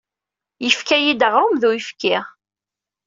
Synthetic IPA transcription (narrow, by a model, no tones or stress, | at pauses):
jifkæjid̪əʁawmðuifkɪʁ